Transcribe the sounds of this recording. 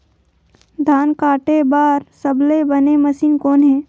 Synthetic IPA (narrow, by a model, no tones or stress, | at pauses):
d̪ʱaːnkaːʈebaːɾsəblebəneməsiːnkoːnɦɛː